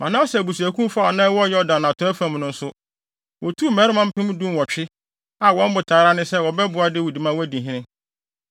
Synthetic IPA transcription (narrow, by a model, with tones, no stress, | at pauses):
mʔã˨nã˦sɛ˨bu˨su˨æ˨kʰũ˦m˦fa˦˨nã˦wɔ˦jɔ˦ɔ˦dã˨nã˨tʰʊ˦ɛ˦fã˨m˨nʊ̃˦n̩˦sʊ˦ | wʔɔ˨tʰu˦˨mɛ̃˨˦ɾɪ˦mã˦m̩˦pʰɪ̃˦mʊ̃˦dũ˦n˨wɔ˨t͡ɕᶣɪ˦ | a˨wɔ̃˨˦m̩˦bʊ˨tʰaː˨˦ɾa˦nɪ̃˦sɛ˦wɔ˨bɛ˦bʊ˨a˦dɪ˦˨wɔ˨di˨mã˦wæ˦dĩ˨ɦĩ˦nɪ̃˦